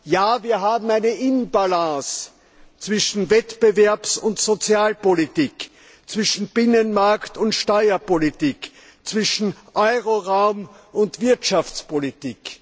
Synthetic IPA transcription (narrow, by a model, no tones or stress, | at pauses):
jaːviːɐɦaːbm̩æɪnəʔɪnbalãs | t͡sv̥ɪʃn̩vɛtb̥əvɛɐpsʊntsot͡sjaːlpolitiːk | t͡sv̥ɪʃn̩b̥ɪnənmaɐktʊntʃtɔʏɐpolitiːk | t͡sv̥ɪʃn̩ʔɔʏʁoʁaʊm | ʊntv̥ɪɐtʃaft͡spolitiːk